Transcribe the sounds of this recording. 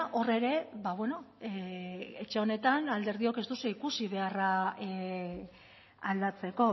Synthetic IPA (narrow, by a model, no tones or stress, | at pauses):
ʔo̞re̞ɾe̞βaβweno̞ | et͡ʃe̞o̞ne̞t̪anald̪e̞ɾðio̞ke̞zt̪useikusiβ̞e̞ara | ald̪at͡se̞ko̞